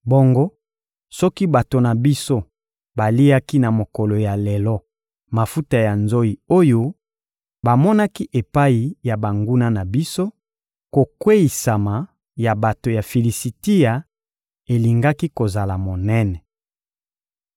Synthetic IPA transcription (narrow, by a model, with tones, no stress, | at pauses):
bo˦ŋɡo˦ | sɔ˦ki˦ba˨to˨na˨bi˦so˦ | ba˨li˦a˦ki˦na˨mo˨kɔ˨lo˨ja˨lɛ˨lɔ˦ | ma˨fu˦ta˨ja˨nzo˦i˨o˦jo˦ | ba˨mɔ˦na˦ki˦ʔe˨pa˦i˨ja˨ba˨ŋɡu˦na˦na˨bi˦so˦ | ko˨kwe˦i˨sa˨ma˨ | ja˨ba˨to˨ja˨fi˨li˨si˨ti˦ja˨ | e˨li˨ŋɡa˦ki˦ko˨za˨la˨mo˨nɛ˦nɛ˨